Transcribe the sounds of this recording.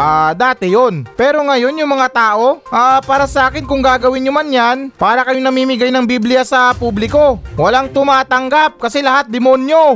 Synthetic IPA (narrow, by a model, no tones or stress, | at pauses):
ʔaːd̪aːt̪ɪjonpɛːɾo̞ŋɐjo̞njʊŋmɐŋat̪aːʔo̞ʔaːpaːɾɐsɐʔaːkɪnkʊŋɡaːɡɐwɪnɲomanjanpaːɾɐkɐjoŋnɐmiːmɪɡajnɐŋbiblɪjasɐpublɪko̞wɐlaŋt̪ʊmaːt̪ɐŋɡap̚kɐsɛlɐɦat̪̚d̪ɪmonjo̞